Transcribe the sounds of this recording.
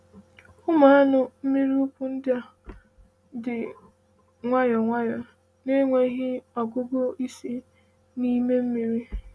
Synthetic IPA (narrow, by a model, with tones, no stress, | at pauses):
ʊ˦ma˨a˦nʊ˨m̩˦mi˦ɾi˦ʊ˦pʊ˨n̩˦dja˦ | dɪ˨ | ŋʷa˦jɔ˨ŋʷa˦jɔ˨ | ne˦ŋʷe˦ɦɪ˦ɔ˨ɡʊ˦ɡo˦i˦si˦ | ni˦me˦m̩˦mi˦ɾi˦